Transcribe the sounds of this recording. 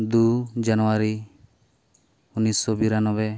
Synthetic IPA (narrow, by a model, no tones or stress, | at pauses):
d̪ud͡ʒanɔwaɾi | unisɔbiɾanɔbɛ